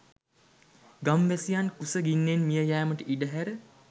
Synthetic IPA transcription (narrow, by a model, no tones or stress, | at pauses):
ɡamʋæsijankusəɡinːenmijəjæːməʈəʔiɖəɦæɾə